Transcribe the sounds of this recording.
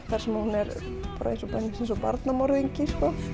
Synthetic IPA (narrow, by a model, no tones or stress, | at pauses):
θaɾ̥smunɛɾ | pɾa̰esupansɛnsɔpa̰ɾt̪namɔɾðiŋkiskɔ